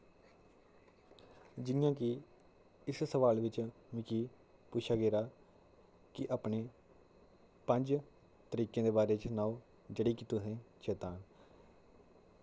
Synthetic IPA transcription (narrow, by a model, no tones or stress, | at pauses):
d͡ʒɪjãːkɪ | ɪssəʋaːlʋɪt͡ʃmĩːkiː | pʊt͡ʃʰaːɡeːɾaː | kɪʔaːpɳeː | pəɲd͡ʒ | t̪əɾiːkẽːd̪eːbaːɾeːt͡ʃnaːũ | d͡ʒəɽiːkit̪ʊsẽːt͡ʃɛːt̪aːn